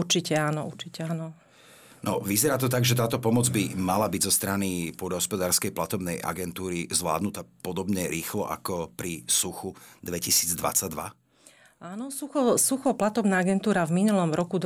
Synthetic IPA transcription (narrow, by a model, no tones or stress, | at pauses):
uɾt͡ʃicɛaːnɔṵɾt͡ʃicɛanɔ | nɔʋizɛɾaːt̪ɔt̪̬aɡʒɛt̪aːt̪ɔpɔmɔd͡zbimalabiɟzɔst̪ɾanipɔd̪ɦɔspɔd̪aːɾskɛjplat̪ɔbnɛjʔa̰ɡɛnt̪uːɾizʋla̰ːd̪nut̪apɔd̪ɔbɲɛɾiːxlɔ̰ʔa̰kɔpɾisuxud̪ʋɛcisiːd͡zd̪ʋa̰t͡saɟ̚d̪ʋa̰ | aːnɔsuxɔsuxɔplat̪ɔbnaːaɡɛnt̪uːɾavminulɔmɾɔkud̪